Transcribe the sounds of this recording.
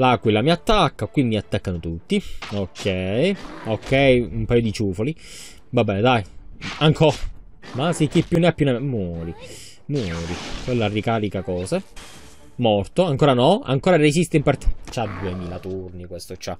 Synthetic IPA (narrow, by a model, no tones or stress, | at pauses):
lakwilamiat̪ːakːakwimːiat̪ːakːanot̪ut̪ːiokʰːɛjokʰːɛjumpajod̪it͡ʃuːfoli | vabːɛːned̪ajaŋkʰɔa | masekːipːjunːeapːjuneemːwɔːɾi | mwɔːɾikwelːarikaːɾikakɔːse | mɔrt̪oaŋkoːɾanɔa̰ŋkoːɾaresist̪eimpart̪i̥t͡ʃːad̪ːuemiːlat̪urnikwest̪ot͡ʃːa